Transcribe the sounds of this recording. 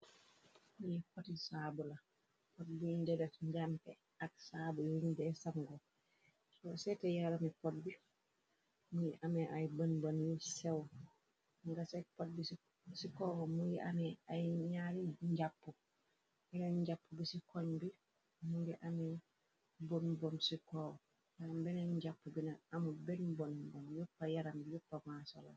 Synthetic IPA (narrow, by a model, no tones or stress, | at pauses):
mujikɔtisaːbula | pɔt̚bindɛdɛfɲd͡ʒampɛ | ak̚saːbujindɛsaŋɡɔ | sɔsɛtɛjalamipɔt̚bi | mujiʔamɛʔajbanbanjusɛw | ŋɡasɛpɔt̚bis | sikoːwomujiʔameajiɲaɾimɲɟapːu | b̥inɐɲɟapːubisikoɲbi | mubiʔame | bonbonsikoːwo | jambenaɲɟapːubinaamubenbonbonjupːajaɾambijupːamasola̰